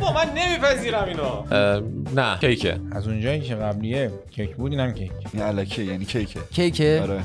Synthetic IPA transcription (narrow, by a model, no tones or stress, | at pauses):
bɒmænːemiːpæziːɾæmino | næcʰejkʰḛæzund͡ʒɒːjiːcʰeɣæblije | cʰekʰbuːd̪iːnæmcʰejcʰʔinælækʰiejæːniːcʰejkʰecʰejcʰeɒɾe